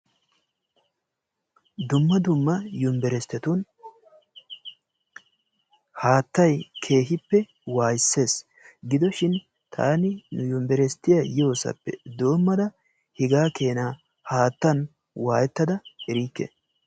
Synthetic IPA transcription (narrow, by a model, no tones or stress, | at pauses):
d̪ʊmːɐd̪ʊmːɐjʊmbɛɾɛst̪ːɛt̪un | haːt̪ːɐjkʰe̞ːɦɪpːɛ | waːjɪsːe̞ːs | ɡɪd̪ɔʃɪn | t̪ʰa̰ːnɪnʊjʊmbɛɾɛst̪ːɪjajoːsɐ̰pːɛ̰d̪o̞ːmːɐd̪ɐ | hɪɡaːke̞ːnaː | haːt̪ːɐn | waːjɛt̪ːɐd̪ɐɛɾiːkːḛː